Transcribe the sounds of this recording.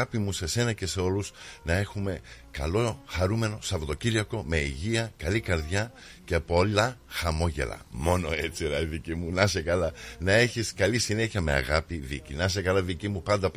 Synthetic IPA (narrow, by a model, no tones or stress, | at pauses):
ɐpimuse̞se̞nɐce̞se̞o̞lusnɐe̞xume̞kɐlo̞xɐɾume̞no̞sɐvot̪o̞ciɾʝɐko̞me̞iʝiɐkɐlikɐɾðʝɐ | cepolɐxɐmo̞ʝe̞̰lɐ̰mo̞no̞et͡siɾɐiðicimunɐse̞kɐlɐnɐe̞çiskɐlisine̞çiɐme̞̰ɐ̰ɣɐpiðḭcinɐs̬e̞kɐlɐðicimupɐnd̪ɐ